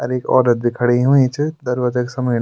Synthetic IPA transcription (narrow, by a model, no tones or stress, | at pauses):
ɐ̰ɾeːkɔ̰ːɾət̪̚bikʰɐɽeɦũĩt͡ʃd̪ɐɾʋɐd͡ʒəksɐmən